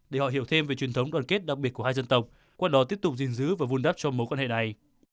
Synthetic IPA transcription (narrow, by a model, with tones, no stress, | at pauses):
ɗe˧˩hɔ̰˧˨ɦi˧˩əwt̪ʰe˧mve˨˩t͡ɕwi˨˩ənt̪ʰwŋ͡mɗwaː˨˩nke˦˥t̚ɗa˨˩k̚ɓi˨˩ət̚ku˧˩haː˧jzə˧nt̪ə˨˩wk͡p̚ | kwaː˧ɗɔ˨˦t̪i˦˥ət̪k͡p̚zḭ˨ŋzɨ̰˧˨˥vaː˨˩vu˧nɗaː˦˥p̚t͡ɕɔ˧mo˨˦kwa˧nhḛ˧˨na˨˩j